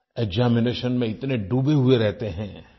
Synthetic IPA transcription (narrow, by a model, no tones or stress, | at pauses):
eɡzaːmɪneːʃənmẽɪt̪neɖuːbeɦueɾɛɦt̪eɦɛ̃ː